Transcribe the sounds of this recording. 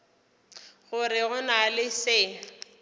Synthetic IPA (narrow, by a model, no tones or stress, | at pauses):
ɣʊrɪɣʊnalɪsɪː